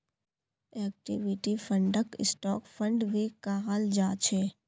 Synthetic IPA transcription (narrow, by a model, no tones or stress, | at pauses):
ɛːk̚ʈɪ̰ʋɪʈifʰə̃ɳɖəkɪ̰sʈɔːkfʰə̃ɳɖʋikaːɦəld͡ʒaːt͡ʃʰe